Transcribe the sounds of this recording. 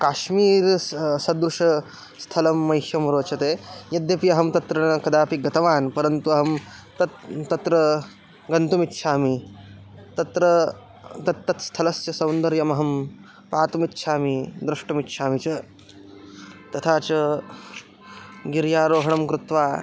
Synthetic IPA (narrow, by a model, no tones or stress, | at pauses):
kaːʃmiːɾsɐd̪ɾuʂɐ | st̪ʰɐlɐmːɐjʃjɐmɾoːt͡ʃɐt̪eːjɐd̪jɐpiɐɦɐmt̪ɐt̪ɾɐɳkɐd̪aːpiɡɐt̪ɐʋaːnpɐɾɐnt̪uɐɦɐmt̪ɐt̪t̪ɐt̪ɾɐ | ɡɐnt̪umit̪ːʃʰaːmi | t̪ɐt̪ɾɐ | t̪ɐt̪ːɐt̪st̪ʰɐlɐst͡ʃɐsɐ̃wnd̪ɐɾjɐmɐɦɐm | paːt̪umit̪ːʃʰaːmid̪ɾuʂʈɐmit̪ːʃʰaːmit͡ʃɐ | t̪ɐt̪ʰaːt͡ʃɐ | ɡiɾjaːɾoːɦɐɳɐmkɾut̪ʋaː